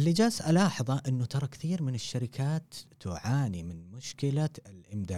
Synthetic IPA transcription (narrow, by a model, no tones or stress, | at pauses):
ʔɪlːid͡ʒaːsʔalɑːħɑðˤɑʔɪnːʊt̪ɑɾˤɑkθiːɾmɪnɪʃːaɾɪkʰaːt̪ː | ʊʕaːnimɪnmʊʃkɪlaɪlʔɪmd̪aː